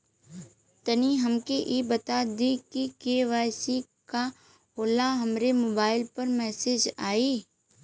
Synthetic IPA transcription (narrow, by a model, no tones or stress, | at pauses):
t̪əniɦɐmkeʔiːbɐt̪ad̪ikikeːʋaːɪsi | ka | ɦoːlaɦɐmɾemoːbaːɪlpɐɾmɛːseːd͡ʒaːiː